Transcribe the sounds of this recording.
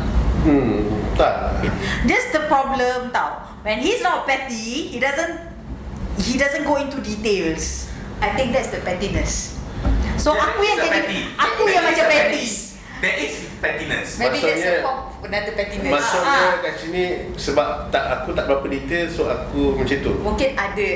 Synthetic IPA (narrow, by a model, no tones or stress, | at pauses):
m̩t̪aʔd͡ʒɛsdəpɹɔblə̃mt̪aw | wɛ̃nhislɔtpɛtihidazə̃n | hidazə̃nɡoĩntudit̪els | ajt̪ɪ̃ŋk̚dɛtsdəpɛtinəs | soʔakujɛ̃nɛĩiakujəmat͡ʃãpɛti | dɛʔis | pɛtinəsmemãbiɔɛjəkɔp | ənadəpɛt̪inəmasɔəkak̚t͡ʃulisəbapt̪aʔakut̪aʔbapədit̪elsoakumə̃t͡ʃãnt̪ṵokeadə